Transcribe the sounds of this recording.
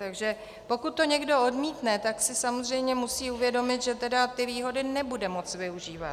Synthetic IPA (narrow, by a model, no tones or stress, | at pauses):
t̪aɡʒɛ | po̞kut̪̚ːo̞ɲɛɡdo̞odmiːt̪nɛt̪aksɪsamozr̝ɛjmɲɛmusiːuvjɛdo̞mɪt̪ʒɛt̪ɛdat̪ɪviːɦo̞dɪnɛbudɛmo̞t͡svɪuʒiːva̰t̪